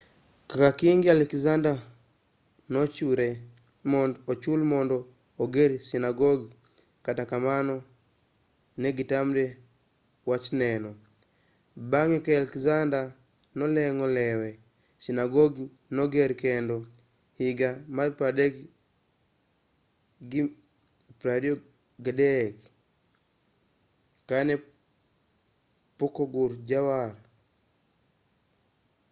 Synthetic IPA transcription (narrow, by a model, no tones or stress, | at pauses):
kakakiŋɡialɛkzanda | nɔt͡ʃuɾɛ | mɔnːt͡ʃulmɔndɔː | ɡeɾisinaɡɔɡ | katakamanɔ | nɛɡitamdɛ | wat͡ʃnɛnɔ | baŋɛkɛalɛkzanda | nɔlɛŋɔlɛwɛ | sinaɡoɡ | noɡeɾkendɔ | hiɡamaɾpadek | ɡi | pɾadio | ɡadek | kane | pukoɡuɾɟawaɾ